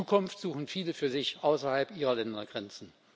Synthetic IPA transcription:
uːkʰʊnftz̥uːχn̩fiːləfyːɐzɪçʔaʊsɐhalpʔiːʁɐlɛndɐɡʁɛnt͡sn̩

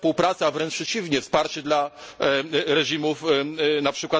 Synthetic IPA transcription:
puwpɾat̪sɨavɾɛnt͡ʂpʂɛt͡ɕivɲɛfspaɾt͡ɕɛd̪la | ɾɛʐimufnapʂɘkwa

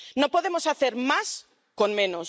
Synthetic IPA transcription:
nõpoðemosaθeɾmas | koŋmẽnos

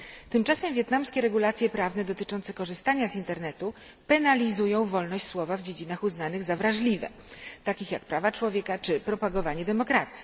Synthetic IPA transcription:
t̪ɘmt͡ʂasɛmvʲjɛt̪namskʲɛɾɛɡulat̪sʲjɛpɾavnɛd̪ɔt̪ɘt͡ʂɔnt̪sɛkɔʐɘst̪aɲazint̪ɛɾnɛt̪u | pɛnalʲizujɔ̃w̃vɔlnɔɕt͡ɕswɔvavd͡ʑed͡ʑinaxuznanɘɣzavɾaʐlʲivɛ̰ | t̪akʲixjak̚pɾavat͡ʂwɔvʲjɛkat͡ʂɘpɾɔpaɡɔvaɲɛd̪ɛmɔkɾat̪sʲji̥

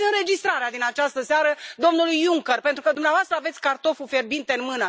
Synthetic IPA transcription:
ɨnɾe̞d͡ʒist̪ɾaɾead̪inat͡ʃast̪əseaɾəd̪o̞mnulujuŋkərpe̞nt̪ɾukəd̪umneavoast̪ɾəave̞t̪sʲkart̪o̞fufe̞rbint̪eɨnmɨnə

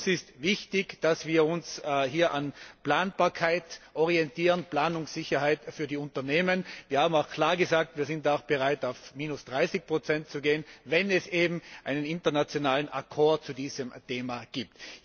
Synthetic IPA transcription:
sɪstvɪçtɪçd̥asv̥iːɐʊnsɦiːɐʔanplaːnb̥aːɐkʰaɪtʔɔʁiɛntiːʁənplaːnʊŋsɪçɐhaɪtfyːɐdiːʊntɐneːmənviːɐhaːm̩aʊxkʰl̥aːɐɡəzaːk̚tviːɐzɪntaaʊxb̥əʁaɪtaʊfmiːnʊsd̥ʁaɪsɪç̚pʁ̥ot͡sɛnt̚t͡suɡeːənvɛnɛseːbm̩ʔaɪnənɪntɐnat͡sjonaːlənʔa̰kʰɔɐd̚t͡sudiːzəmteːmaɡ̥iːp̚t

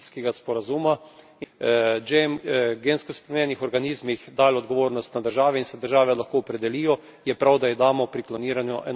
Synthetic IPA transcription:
skɛɡaspɔɾazuːma | d͡ʒemɡenskɔspɾɛmnʲɛnixɔɾɡaniːzmixd̪aːlɔd̪ɡɔʋoːɾnɔst̪nad̪əɾʒaːʋɛinsɛd̪əɾʒaːʋɛlaxkoːɔpɾɛd̪ɛliːjɔ | jɛpɾawd̪aid̪aːmɔpɾiklɔniːɾanjɔʔɛn

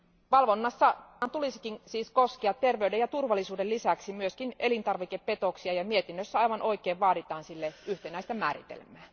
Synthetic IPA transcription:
ʋɑlʋonːɑsːɑt̪ulisi̥kinsiːskoskiɑt̪ːerʋeydejɑt̪urʋɑlːˑisuːdellisæksimyøskinelint̪ɑrʋikeppe̞t̪oksiɑjɑmiet̪inːøsːæɑjʋɑnʔo̞ikeːʋʋɑːdit̪ɑːnsilːeyht̪enæˑist̪æmæːɾḭt̪ḛlmæː

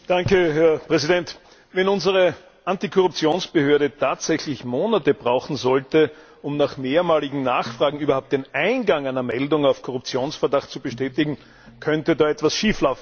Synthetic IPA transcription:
d̥aŋkəɦɛɐpʁ̥ɛzidɛnt | vɛnʊnzəʁə | ʔantikʰɔʁʊp̚t͡sjoːnsb̥əhøːɐɾətʰaːtz̥ɛçlɪçmoːnatəbʁaʊxn̩zɔltə | ʊmnaχmeːɐmaːlɪɡŋ̩naːχfʁ̥aːɡŋ̩yːbɐhʊpt̚d̥enʔaɪnɡaŋæɪnɐmɛldʊŋaʊfkʰɔʁʊp̚t͡sjoːnsfɛɐdaχt̚t͡subəʃtɛːtɪɡŋ̩ | kʰœntədaːɛtv̥asʃiːflaʊfn̩

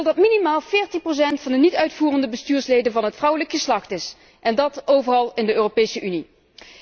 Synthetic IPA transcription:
lˠdɑtminimaːlˠv̥ɪːɹtinpros̬ɛntfɑndənitœɥtfuːrəndəbəstyːɹslejdənvɑnɦətfrʌwələkxəslɑxtɪs | ʔɛndɑtowvərɑlˠɪndəøːropejsəʔyni

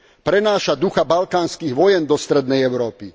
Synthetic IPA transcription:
pɾɛnaːʃad̪uxabalkaːnskiːɣʋɔjɛnd̪ɔst̪ɾɛd̪nɛjɛʊɾɔːpi

